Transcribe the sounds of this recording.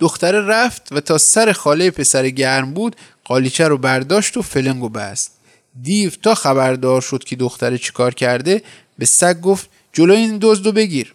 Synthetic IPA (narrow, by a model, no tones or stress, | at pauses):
d̪̥oxt̪æɾeɾæft̪væt̪ʰɒːsæɾe̞xɒːlejepʰe̞sæɾeɟæɾmbuːd̪̥ | ɢ̥ɒːlit͡ʃʰæɾobæɾd̪ɒːʃt̪ofeleŋɡobæ̰st̪̚ | d̪iːvt̪ʰɒːxæbæɾd̪ɒːɾʃod̪̥cʰe̞d̪oxt̪æɾet͡ʃʰe̥kʰɒːɾcʰæɾd̪e̞ | be̞sæɡ̚ɡoft̪̚ | d͡ʒo̞lojeind̪ozd̪obe̞ɡiɾ